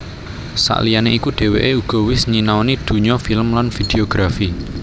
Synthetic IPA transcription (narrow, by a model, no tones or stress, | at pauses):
sa̰ʔlijaneʔikuɖ̥e̤wḛʔeuɡ̥ɔ̤wɪsɲinawnid̪̥ṳɲɔfiləmlanfid̪̥eoɡ̥ɾafi